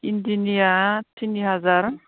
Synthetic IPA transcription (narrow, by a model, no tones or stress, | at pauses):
indinijatʰinːiɦazaɾ